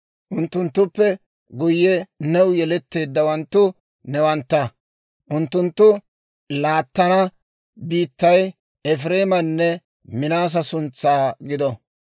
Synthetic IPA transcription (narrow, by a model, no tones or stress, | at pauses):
ʔʊnt̪ːʊnt̪ːʊpːɛ | ɡʊjːɛnɛwjɛlɛt̪ːe̞ːd̪ːɐwɐnt̪ːʊ | nɛwɐnt̪ːɐ | ʔʊnt̪ːʊnt̪ːʊ | laːt̪ːɐnɐ | biːt̪ːɐj | ʔɛfɾeːmɐnːɛ | mɪnaːs̬ɐsʊnt͡sːaːɡɪd̪ɔ